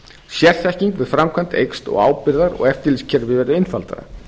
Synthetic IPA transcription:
sjɛr̥θɛhciŋkvɪðfɾamkʰvan̥t̪ejkst̪ɔ̰ɣa̰ːwpɪɾðaɾɔ̰ɣɛft̪ɪɾliscʰɛɾvɪvɛɾðʏɪnfalt̪a̰ɾa̰

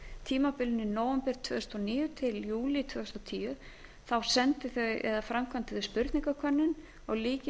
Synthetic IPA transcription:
t̪ʰiːmapɪlɪnːɪnoːwɛmpɛɾ̥t̪ʰvʏ̰ːðʏst̪ɔniːjʏt̪ʰɪljuːlit̪ʰvɛːðst̪ɔt̪ʰiːjʏ | θawsɛnt̪ɪθœɛ̰ðafɾamkʰamt̪ɪθʏspʏɾt̪niŋkakʰœnːɪn | ɔɣliːcɪ

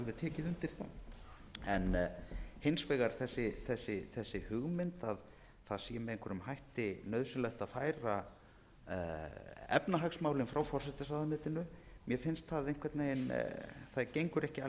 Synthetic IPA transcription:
aɣðɪðt̪ʰɛːcɪðʏnt̪ɪɾ̥θa̰ | ɛnhensvɛɣaɾ̥θɛsːɪθɛsːɪθɛsːɪhʏɣmɪnt̪að | θaðsijɪmɛðeŋ̥kʰvɛɾʏmhɦajht̪ɪnœðsʏnlɛxt̪aðfaːjɾa | ɛ̰pnaɦaksmaːwlɪnfɾawfɔr̥sɛt̪ɪsaðanʏːt̪ɪnʏmjɛfɪnst̪θaðejŋ̥kʰvɛɾt̪neɪnθajcejŋkʏɾɛhcɪ

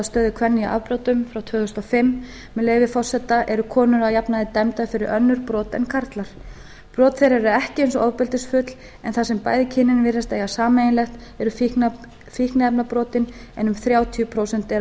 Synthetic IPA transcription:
st̪œːðɪkʰvɛnːɪʔa̰vpɾɔwt̪ʏmfɾawt̪ʰvʏːʏst̪ɔfɪmː | mɛleːjvɪfɔr̥sɛt̪ːaʔɛɾʏkʰɔːnʏɾaðjapnaðɪt̪ɛmt̪aðʏfɪɾɪɾʔœnːʏɾpɾɔːt̪ɛ̰nkʰaɾt̪laɾ̥ | pɾɔːt̪θejɾaɛɛɾʏɛhcɪejnsɔʔɔwpɪlt̪ɪsfʏt̪l̥ | ɛnθasɛmpa̰ːjðɪcʰɪnːɪnvɪrast̪eːjɣasaːmeːjnlɛxt̪ɛɾʏf | fihknaɛpnapɾɔːt̪ɪnɛnʏmθɾjaːwt̪ʰiʏpʰɾoːwsɛn̥t̪ɛ

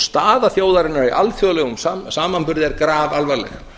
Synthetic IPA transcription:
st̪aːðaθjoːwðaɾɪnːaɾiʔa̰lθjɔlɛɣʏmsasaːmanpʏɾðɪɛɾkɾaːvalvaɾlɛ̰x

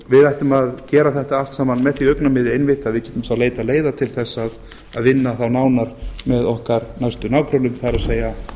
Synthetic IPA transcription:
vɪðajht̪ʏmaðcɛːɾaθɛht̪aalt̪saːmanmɛðθviœknamɪðɪejnvɪht̪aðvɪðcɛːht̪ʏmsaleːjt̪aleːjðat̪ʰɪlθɛsːað | aðvɪnːaθawnaːwnaɾmɛðɔhkaɾnajst̪ʏnaːwkʰɾawnʏmθaɾaðseːja

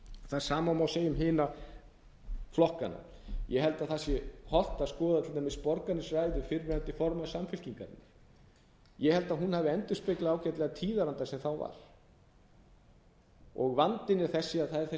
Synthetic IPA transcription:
θaðsaːmamawseːjʏmɦɪːna | flɔhkana̰ | jʔɛɦɛlt̪aðθasjɛhɔl̥t̪aðskɔːðat̪ʰɪlt̪amɪspɔɾkanːɪsrajðʏfɪɾmɪɾant̪ɪfɔɾmasamfʏl̥ciŋka̰ɾɪ̰nːɪ | jɛhɛlt̪aðɦunhaːvɪɛnt̪ʏ̥spɪklaaːwcɛt̪lɛɣat̪ʰiːðaɾant̪asɛmθawva̰ɾ̥ | ɔɣvant̪ɪnɪɾ̥θɛsːɪaðθaðɛɾ̥θɛ

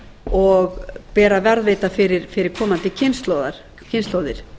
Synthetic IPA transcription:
ɔɣpɛːɾavɛɾðveːt̪afɪɾɪɾfɪɾɪɾ̥kʰɔːmant̪ɪcʰɪnst̪lowðaɾ̥ | cʰɪnst̪loːwðɪɾ̥

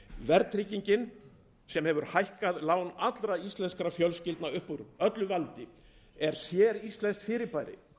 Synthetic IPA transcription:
vɛɾt̪ɾiciɲcɪn | sɛmhɛvʏɾ̥hajhkaðlaːwnat̪lɾaist̪lɛnskɾafjœlscɪlt̪naʏhpuɾœt̪lʏvalt̪ɪ | ɛɾ̥sjɛːɾist̪lɛnst̪fɪːɾɪpaːjɾɪ̰

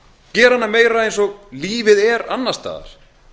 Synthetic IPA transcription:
cɛːɾ̥hanːameːjɾaejnsɔɣliːvɪðɛɾanːast̪a̰ːða̰ɾ̥

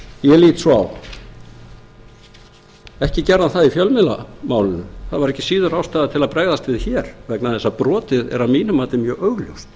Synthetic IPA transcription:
jɛliːt̪sɔa̰w | ɛhcɪcɛɾðanθaðifjœlmɪla̰maːwlɪnʏθaðvaɾɛhcːɪ̥siːðʏɾawst̪aːðat̪ʰɪlaðpɾɛɣðast̪vɪðçɛɾ̥vɛknaðθɛsːapɾɔːt̪ɪðɛ̰ɾaðmiːnʏmaːt̪ɪmjœːɣʔœɥɣljo̰wst̪

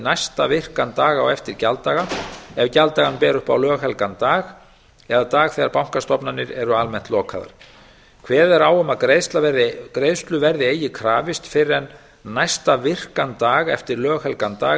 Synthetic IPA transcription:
najst̪avɪr̥kant̪aːɣawɛft̪ɪɾcalt̪aːɣaɛvcalt̪aːɣanpɛːɾʏhpa̰wlœːɣhɛlkant̪aːɣ | ɛðat̪aːɣθɛːɣaɾpawŋ̥kast̪ɔpnanːɪɾɛɾʏalmɛn̥t̪lɔːkʰa̰ða̰ɾ̥ | kʰvɛːðɛɾaːwʏmaðkɾejðst̪lavɛɾðɪkɾejðst̪lʏvɛɾðɪeːjɪkʰɾaːvɪst̪fɪɾɛnː | ajst̪avɪr̥kant̪aːɣɛft̪ɪɾlœːɣhɛlkant̪aːɣ

